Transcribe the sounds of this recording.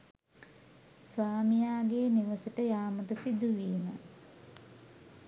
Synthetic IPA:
sʋaːmijaːɡeːniʋəseʈəjaːməʈəsid̪uʋiːmə

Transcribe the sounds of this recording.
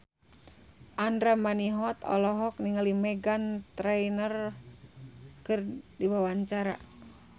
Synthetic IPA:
ʔandɾamaniɦɔt̪ɔ̰lɔɦɔk̚niŋalimɛɡant̪ɾɛjnər | kɨrdiwawaɲt͡ʃaɾa̰

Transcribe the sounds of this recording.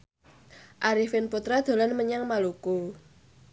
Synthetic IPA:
ʔaɾifɪnput̪ɾad̪̥o̤lanməɲaŋmaluko

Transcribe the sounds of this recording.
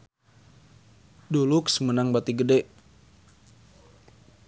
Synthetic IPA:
duluksəmənaŋbat̪iɡədɛʔ

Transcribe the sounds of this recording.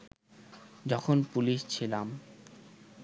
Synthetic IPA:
d͡ʑɔkʰonpuliʃt͡ɕʰilam

